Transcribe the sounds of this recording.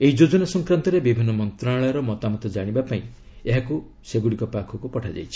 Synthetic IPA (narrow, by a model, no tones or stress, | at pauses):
eɦid͡ʒod͡ʒɔnasɔŋkɾant̪ɔɾebibʱinːɔmɔnt̪ɾaɭɔjɔɾɔmɔt̪amɔt̪ɔd͡ʒaɽ̃ibapaĩ | eɦaku | seɡuɽikɔpakʰɔkupɔʈʰad͡ʒa̰jt͡ʃʰi̥